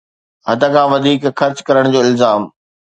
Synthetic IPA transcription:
ɦɐd̪əkʰãːʋɐd̪ʱiːkxɐɾt͡ɕkɐɾəɽ̃d͡ʑoːɪlzaːm

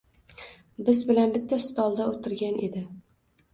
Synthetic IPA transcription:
bɪzbɪlanbɪt̪ʰːast̪ɒlˠd̪aot̪ʰɪɾɡʲanʔe̞̰d̪ɪ

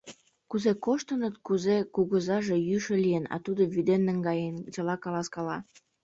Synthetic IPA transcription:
kuzekoʃt̪ə̆nət̪kuzekuɣəzɑʒe̽jyʃĕlijenɑ̰t̪ud̪oβyd̪enːə̆ŋɡɑjent͡ɕəlɑkɑlɑskɑlɑ

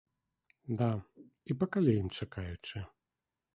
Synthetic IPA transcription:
d̪a | ipɐkalʲɛjimt͡ʂakajut͡ʂɨ

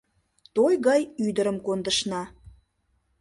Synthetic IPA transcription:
t̪ojɣɑjyd̪əɾəmkond̪əʃnɑ

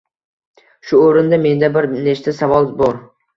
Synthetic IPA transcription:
ʃʊoɾɪnd̪ame̞nd̪abɪɾnet͡ʃt̪asavɒlˠbɒɾ

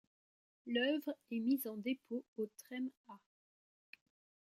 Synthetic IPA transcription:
lœvʁɛmizɑ̃d̪epʰoot̪χɛma

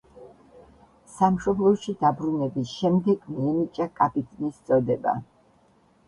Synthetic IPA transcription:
samʃɔblˠɔʃid̪abɾunɛbisʃɛmd̪ɛɡmiɛmit͡ʃʼakʼapʼit̪ʼnist̪sʼɔd̪ɛba̰

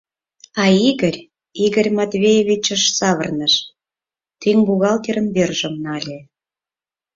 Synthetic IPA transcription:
ɑiɣərʲ | iɣə̆rʲmɑt̪βʲejeβʲit͡ɕə̆ʃsɑβə̰rnəʃ | t̪yŋbuɣɑlt̪eɾə̆nberʒə̆mnɑlʲe

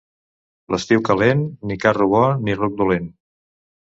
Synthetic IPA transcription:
ləst̪iwkəlenːikaruβɔniruk̚d̪ulen

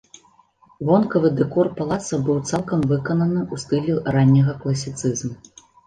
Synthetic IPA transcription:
vɔnkɐvɨd̪ɛkɔrpalˠat̪sɐbɨwt̪salˠkɐmvɨkɐnɐnɨʔust̪ɨlʲiranʲːɐɣɐklˠɐsʲit̪sɨzmu

